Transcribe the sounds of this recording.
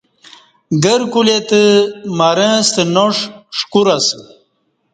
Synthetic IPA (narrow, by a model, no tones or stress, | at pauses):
ɡəɾkulet̪əmaɾə̃st̪ənoʂʂkuɾasɨ